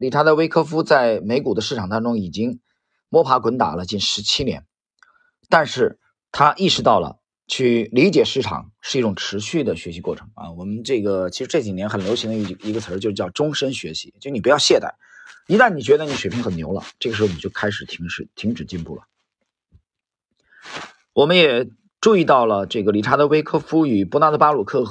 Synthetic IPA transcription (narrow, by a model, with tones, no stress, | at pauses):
li˨˩ʈ͡ʂʰa˧˥t͡sa˥˧we˥ɪkʰɤ˥fu˥t͡sa˥˩ɪme˧˥ɪku˨˩d̪ə˦ʂɻ̩˥˩ʈ͡ʂʰɑ˨˩ŋt̪ɑ˥ŋʈ͡ʂʊ˥ŋi˨˩t͡ɕi˥ŋ | mwɔ˥pʰa˧˥kwə˧˥nt̪a̰˨˩lə˦t͡ɕi˥˩nʂɻ̩˧˥t͡ɕʰi˥njɛ̰˧˥n | t̪a˥˧nʂɻ̩˥˩ | t̪ʰa˥ʔi˥˩ʂɻ̩˧˥t̪ɑ˥˩ʊlə̰˩ | t͡ɕʰy˥˩li˧˥t͡ɕjɛ˨˩ʂɻ̩˥˩ʈ͡ʂʰɑ̰˨˩ŋʂɻ̩˥˧i˥˩ʈ͡ʂʊ˨˩ŋʈ͡ʂʰɻ̩˧˥ɕy˥˩d̪ə˩ɕɥɛ˧˥ɕi˧˥kwɔ˥˩ʈ͡ʂʰɤ˧˥ŋɐ̰˧wɔ˨˩mə˦nʈ͡ʂɤ˥˩ɡə˩t͡ɕʰi˧˥ʂɻ̩˧˥ʈ͡ʂɤ˥˩t͡ɕi˨˩njɛ˧˥nxə˨˩nljo˧˥ʊɕi˧˥ŋd̪ə˧i˧˩i˧˥ɡə˧t͡sʰə˧˥t͡ɕo˥˧ʂɻ̩˧˥jɑ˥˩ʊʈ͡ʂʊ˥ŋʂə˥nɕɥɛ˧˥ɕi̥˧˥t͡ɕo˥˧ni˨˩pu˧jɑ˥˧ɕjɛ˥˧t̪a̰˥˩ɪi˧˥t̪a˥˩nni˨˩t͡ɕɥɛ˧˥d̪ə˧ni˨˩˥ɕɥɛ˨˩pʰŋxə˨˩njo̰˧˥ʊlə̰˧ʈ͡ʂɤ˥˩ɡə˩ʂɻ̩˧˥˧ʊni˨˩jo˥˩ʊkʰa˥ɪʂɻ̩˨˩t̪ʰi˧˥ŋʂɻ̩˧˩t̪ʰi˧˥ŋʈ͡ʂɻ̩˨˩t͡ɕi˥˧npu˥˩lə̰˩ | wɔ˨˩mə˦njɛ˨˩ | ʈ͡ʂu˥˧i˥˧t̪ɑ˥˩ʊlə˩ʈ͡ʂɤ˥˩ɡə˩li˧˥ʈ͡ʂʰa˧˥d̪ə˨we˥ɪkʰɤ˥fu˥y˨˩pu˥na˧˥d̪ə˨pa˥lu˨˩kʰɤ˥˩